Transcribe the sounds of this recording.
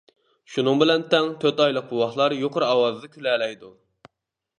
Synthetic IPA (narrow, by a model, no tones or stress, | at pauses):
ʃunɨŋbɪlɛnt̪ʰɛŋt̪ʰøɾt̪ɑjlˠəq̚buwɑχlˠɑɾjoqʰʊɾɑwɑzɨd̪ɨkʲʰylɛːlɛjd̪u